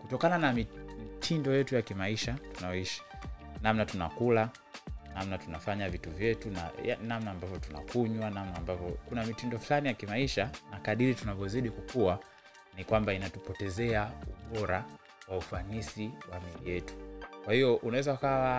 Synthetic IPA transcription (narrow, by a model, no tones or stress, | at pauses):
kutɔkananamimitʰindɔjɛtujakimaiʃatunaɔiʃḁnamnatuna̰kula | namnatunafaɲavituvjɛtuna̰a̰namnaːmbavjɔtuna̰kuɲwanamnaːmbavjɔkunamitindɔflanijakimaiʃanakaɗiɾitunavɔziɗikukua | nikwambainatupɔtɛzɛaṵɓɔɾa | waufanisiwamiijɛtu̥kwahijɔʔunawɛzaukawa